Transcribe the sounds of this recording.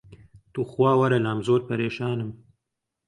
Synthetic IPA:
t̪uxwɑːwaɾalɑːmzoːɾpaɾeːʃɑːnəm

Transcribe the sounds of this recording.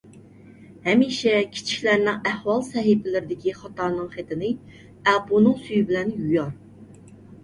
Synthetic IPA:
hɛmiʃɛkʲʰi̥t͡ʃʰi̥ʃʲlæɾnɪŋæhwɑlˠsɛɦɪpʰɪlɪɾɪd̪ɪkʲiχɑt̪ʰɑɾnɨŋχet̪ʰɪnɪ | æpʰunɨŋsyjibɪlɛnjujɑɾ

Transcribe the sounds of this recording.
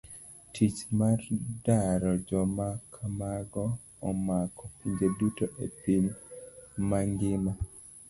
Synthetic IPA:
tʰit͡ʃmardaɾɔd͡ʒɔmakʰamaɡɔː | makɔpiɲd͡ʒedutoʔepin | maŋɡɪma

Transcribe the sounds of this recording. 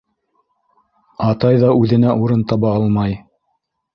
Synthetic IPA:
ɑt̪ɑjðɑʉðɘ̆næʔuɾɤnt̪ɑβɑɑlˠmɑj

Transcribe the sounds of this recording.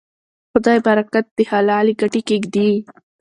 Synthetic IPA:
xʊd̪ɑːjbaɾakat̪̚d̪ihalaːliɡaʈikeɡd̪i

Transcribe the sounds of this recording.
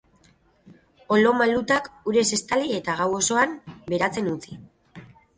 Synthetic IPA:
o̞lo̞malut̪akuɾe̞se̞st̪aliet̪aɣ̞awo̞so̞ambe̞ɾat͡se̞nut͡si

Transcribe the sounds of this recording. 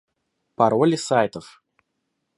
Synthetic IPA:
paɾolʲisajt̪əf

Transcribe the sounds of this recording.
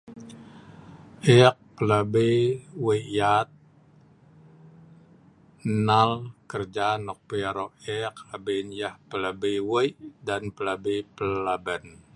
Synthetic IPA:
ʔɛk̚pəlabeweʔjat̪̚ | nalkərd͡ʒanɔk̚pəjaɾɔʔɛk̚abenjahpəlabejweʔdanpəlabepəlabən

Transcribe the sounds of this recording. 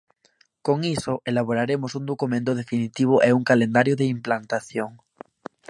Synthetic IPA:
koŋisoʔelaβ̞oɾaɾemosund̪okumẽnt̪oð̞efinit̪iβ̞oʔeuŋkalend̪aɾjoðeimplant̪aθjoŋ

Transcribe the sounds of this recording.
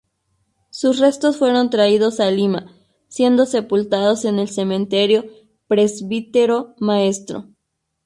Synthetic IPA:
susre̞st̪o̞sfwe̞ɾo̞nt̪ɾaiðo̞salima | sje̞nd̪o̞se̞pult̪að̞o̞se̞ne̞lse̞mẽnt̪e̞ɾjo̞ | pɾe̞zβit̪eɾo̞mae̞st̪ɾo̰

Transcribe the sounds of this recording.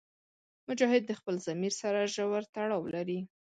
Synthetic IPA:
mʊd͡ʒɑhɪd̪̚ːəxpəlzamiɾsaɾaʒawaɾt̪aɽɑwlaɾi

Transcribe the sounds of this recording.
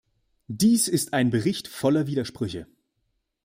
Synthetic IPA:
d̥iːsɪstaɪnbəʁɪçtfɔlɐviːdɐʃpʁ̥ʏçə

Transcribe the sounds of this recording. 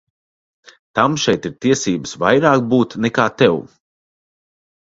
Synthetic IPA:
t̪amʃɛjt̪iɾt̪iɛsiːbəsvajɾaːkbuːt̪nɛkaːt̪ɛw

